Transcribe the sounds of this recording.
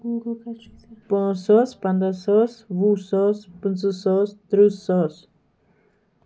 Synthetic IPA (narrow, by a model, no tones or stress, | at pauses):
pɔ̃sɔspand̪asɔsvusɔspɨnt͡sɨsɔst̪ɾusɔs